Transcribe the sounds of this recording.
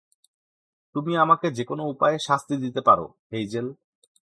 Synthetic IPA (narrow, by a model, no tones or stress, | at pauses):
t̪umiamaked͡ʑekonoupaeʃast̪id̪it̪epaɾo̰ | ejd͡ʑel